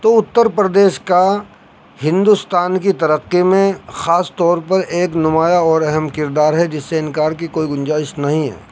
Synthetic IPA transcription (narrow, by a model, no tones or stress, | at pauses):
t̪oːʊt̪ːəɾpɾɐd̪eːʃka | hɪ̃nd̪ust̪aːnkit̪ɐɾəqːimẽxaːst̪ɔːɾpɐɾeːknʊmaːjaɔːɾɛɦɛmkɪɾd̪aːɾɦɛd͡ʒɪsːeɪnkaːɾkikoːiɡʊ̃nd͡ʒaːɪʃnɐɦĩɦɛ̰ː